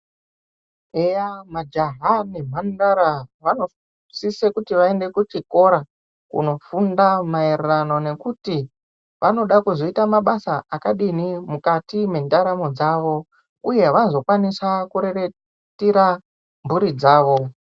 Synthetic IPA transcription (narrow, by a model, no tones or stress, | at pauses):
ejamad͡ʒaɦanem̤andaɾaʋano̞ | sise̞kutiʋae̞nde̞kut͡ʃiko̞ɾa | kṵno̞fundamaererano̞ne̞kuti | ʋʔano̞ɗakuzo̞itamaɓasaʔakaɗinimukatime̞ndaɾamo̞d͡zaːʋo̞ | uje̞ʋazo̞kwanisakuɾe̞re | tiɾa | mbuɾid͡zaːʋo̞